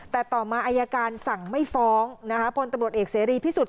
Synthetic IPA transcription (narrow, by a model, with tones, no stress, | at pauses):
t̪ɛː˨˩t̪ɔː˨˩maː˧ʔaː˧jaː˧kaː˧nsa˨˩ŋma˥˩jfɔː˦˥ŋna˦˥kʰa˦˥pʰo˧nt̪a˧mɾu˨˩ət̪̚ʔeː˨˩k̚seː˩˦ɾiː˧p̪ʰiː˥˩su˨˩t̪̚